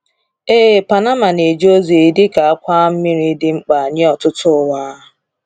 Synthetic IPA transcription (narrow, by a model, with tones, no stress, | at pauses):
e˦˨pa˨na˦ma˨ne˨d͡ʒo˦zi˨i˨dɪ˦ka˨a˦kʷa˦m̩˦mi˦ɾi˦dɪ˦ŋ͡m̩˦k͡pa˨ɲɪ˦ɔ˨tʊ˦tʊ˦˨wa˦